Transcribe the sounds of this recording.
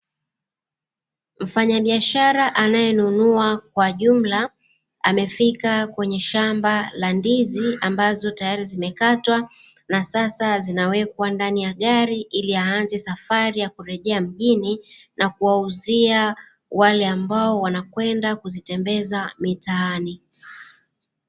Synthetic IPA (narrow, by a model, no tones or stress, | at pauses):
m̩faɲaɓiaʃaɾaʔanajɛnunuakwaʄum̩la | amɛfikakwɛɲɛʃambalandiziambazɔtajaɾizimɛkatwa | nasasazinawɛk̚wandanijaɠaɾiʔiliaːnzɛsafaɾijakuɾɛʄɛam̩ʄininakuwauzia | walɛambaɔwanakwɛndakuzitɛmbɛzamitaani